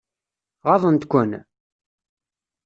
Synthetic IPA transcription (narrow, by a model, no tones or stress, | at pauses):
ʁɑðˤənt̪kʷːən